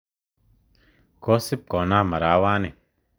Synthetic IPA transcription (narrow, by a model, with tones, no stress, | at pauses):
koː˦sɪp̚kɔː˨naː˦mɐɾaːwaː˦ni˨